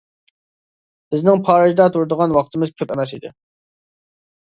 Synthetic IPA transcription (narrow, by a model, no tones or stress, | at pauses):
b̥ɪznɪŋpʰɑːɾɑʒd̪ɑt̪ʰuɾd̪əʁɑnwɑqt̪ʰɨmɨzkʲʰøpɛmɛsid̪ɪ̰